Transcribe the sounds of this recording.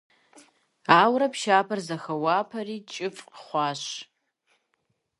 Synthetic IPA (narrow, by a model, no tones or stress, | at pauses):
aːwrɐpʰʃaːpʰɐrzɐxɐwaːpʰɐriːt͡ʃʼɪfʼqχʷɑːɕ